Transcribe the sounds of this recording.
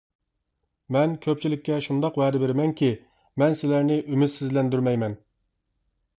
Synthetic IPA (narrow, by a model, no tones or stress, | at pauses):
mɛnkʲʰøp̚t͡ʃʰilɪkʲːɛʃund̪ɑqwɛːd̪ɪbɪɾɪmɛŋkʲi | mɛnsɪlæɾnɪʔymyt̪sɪzlɛnd̪yɾmɛjmɛn